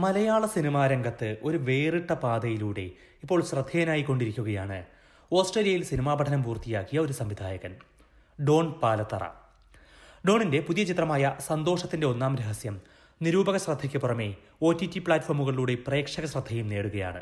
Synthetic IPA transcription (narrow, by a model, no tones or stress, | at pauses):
mɐlɐjaːɭɐsinimaːɾɐŋɡɐt̪ːɨʔo̞ɾuʋe̞ːriʈːɐpaːd̪ɐjiluːɽe̞̰ | ipːo̞ːɭɕrɐd̪ʱːɐjɐnaːjikːo̞ɳɖiɾikʲːuɣɐjaːɳɨ | o̞ːsʈreːlijɐjilsinimaːbɐʈʰɐnɐmpuːrt̪ijaːkːijɐo̞ɾusɐmʋid̪ʱaːjɐɣɐn | ɖo̞ːɳpaːlɐt̪ːɐ̰rɐ̰ | ɖo̞ːɳinde̞puðijɐt͡ɕit̪rɐmaːjɐsɐnd̪o̞ːʂɐt̪ːinde̞o̞nːaːmɾeɦɐsjɐm | niɾuːbɐɣɐɕrɐd̪ʱːɐkʲːɨpurɐme̞ | o̞ːtːitːipɭaːtːformːuɣɐɭiluːɽe̞pre̞ːkʂɐɣɐɕrɐd̪ʱːɐjumne̞ːɽuɣɐja̰ːɳɨ̰